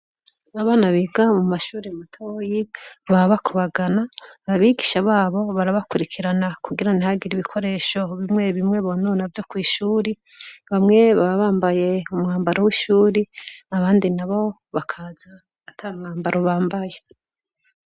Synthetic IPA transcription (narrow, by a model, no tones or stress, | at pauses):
aβaːnaβiɡamumaʃuːɾematʰojiβaβakʰuβaɡanaβaβiɡiʃaβaːβo̞βaɾaβakuɾikʰiɾanakuɡiɾanihaɡiɾiβikʰo̞ɾe̞ːʃo̞βimŋe̞βimŋe̞βononavjokwiːʃuːɾi | βamŋe̞βaβaβaːmbaje̞umŋaːmbaɾowiʃuːɾiaβaːndinaβo̞ | βakʰaːzaː | tʰaumŋaːmbaɾʔoβaːmbaje̞